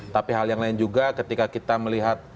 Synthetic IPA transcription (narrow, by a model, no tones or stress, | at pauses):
t̪apiɦaljaŋlaɪnd͡ʒuɡakət̪ikakit̪aməliɦat̪̚